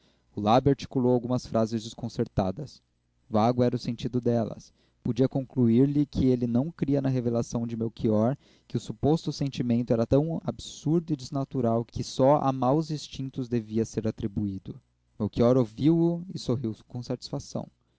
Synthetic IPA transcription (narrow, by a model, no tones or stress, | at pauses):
ʊlabɪaɾt͡ʃi̥kulowawɡũmɐsfɾʔazɪzd͡ʒɪskõseɾt̪a̰d̪ɐs | vaɡʊɛɾɐʊsẽnt͡ʃid̪ʊd̪ɛlɐ̰s | pod͡ʒiɐkõkluiɾlɪkʰɪelɪnɐ̃w̃kɾiɐnɐɦevelasɐ̃w̃d͡ʒɪmewkʰiɔɾ | kɪʊsupost̪ʊsẽnt͡ʃimẽnt̪ʊɛɾɐt̪ɐ̃w̃absuɾd̪ʊɪd͡ʒɪznat̪uɾawkɪsɔa̰mawzĩst͡ʃĩnt̪ʊzd̪eviɐseɾat̪ɾibuid̪ʊ | mewkiɔɾoviwʊɪsoɦiwkõsat͡ʃi̥sfasɐ̰̃w̃